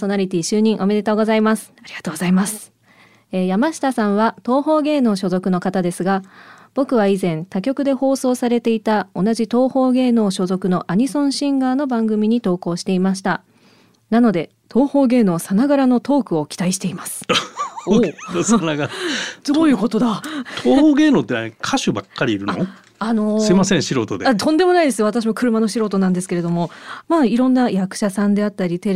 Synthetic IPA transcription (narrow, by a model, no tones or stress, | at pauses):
so̞naɾʲit̪ʲiːɕɨːɲ̟ĩɰ̃ʔo̞me̞d̪e̞t̪o̞ːɡo̞zaimasɨ̥aɾʲiɡ̥at̪oːɡoz̥aimasɨ̥ | ejamaɕi̥t̪asãɰ̃βat̪o̞ːho̞ːɡe̞ːno̞ːɕo̞zo̞kɯ̟no̞kat̪ad̪e̞sɨɡab̥o̞kɯ̟βaizẽ̞nt̪akʲo̞kɯ̟d̪e̞ho̞ːso̞ːsaɾe̞t̪e̞it̪ao̞naʑit̪o̞ːho̞ːɡe̞ːno̞ːɕo̞zo̞kɯ̟no̞ʔaɲ̟isõ̞ɰ̃ɕĩŋɡaːno̞bãŋɡɯ̟mʲiɲ̟it̪o̞ːko̞ːɕi̥t̪e̞imaɕi̥t̪a | nano̞d̪e̞ | t̪ʰo̞ːho̞ːɡe̞ːno̞ːsanaɡaɾano̞t̪o̞ːkɯ̟o̞kʲi̥t̪aiɕi̥t̪e̞imasɨ̥ | sanaɡaɾd̪oːjɯ̟ːko̞t̪o̞d̪at̪ʰoːhoːɡe̞ːno̞ːt̪ːenakʰaɕɨbakːaɾʲiːɾɯ̟nao | ano̞semasẽɕiɾo̞̰ːt̪o̞d̪eat̪õ̞nd̪e̞mo̞naid̪e̞sɨjo̞at̪aɕ̬imokɯ̟ɾɯ̟mano̞ɕiɾo̞ːt̪onãnd̪e̞sɨ̥ke̞ɾe̞d̪o̞mo̞maːiɾõ̞nːajakɯ̟̥ɕasãnd̪e̞at̪ːaɾʲit̪e